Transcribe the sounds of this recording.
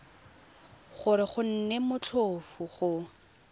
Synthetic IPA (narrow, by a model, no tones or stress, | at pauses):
χʊɾɪχʊn̩nemʊt͡ɬʰofʊχʊ